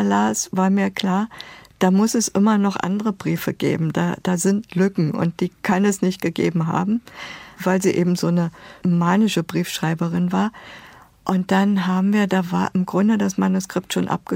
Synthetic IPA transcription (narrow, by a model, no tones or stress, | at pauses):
laːsv̥aːɐmiːɐkl̥aːɐd̥aːmʊsɛsʔɪmɐnɔχʔa̰ndəʁəbʁiːfəɡ̥ḛːbm̩da̰ːd̥aːzɪntlʏkŋ̩ʔʊ̰nt̚d̥iːkʰanɛsnɪçt̚ɡ̥əɡḛːbm̩ɦa̰ːbm̩vaɪlziːʔeːbm̩zoːnəmaːnɪʃəbʁiːfʃʁ̥aɪbəʁɪnvaːɐ | ʔʊnt̚d̥anɦaːbm̩viːɐdaːvaːɐʔɪmɡʁʊndədasmanuskʁ̥ɪp̚tʃoːnʔa̰p̚ɡ̥ə